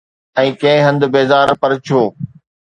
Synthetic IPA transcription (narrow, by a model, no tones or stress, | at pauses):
ɛ̃ːkɐ̃ɦɪ̃ɦə̃nd̪beːzaːɾpɐɾt͡ʃʰoː